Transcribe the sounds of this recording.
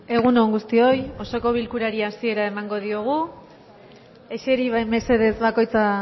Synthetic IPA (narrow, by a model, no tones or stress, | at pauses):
e̞ɣ̞uno̞ŋɡust̪io̞jo̞so̞ko̞βilkuɾaɾiasie̞ɾae̞maŋɡo̞ð̞io̞ɣ̞u | e̞t͡ʃe̞ɾiβame̞se̞ðe̞zβako̞jt͡sa